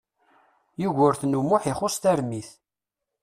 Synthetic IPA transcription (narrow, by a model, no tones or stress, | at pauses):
juʝʊɾθnumʊħɪχʊst̪æɾmiθ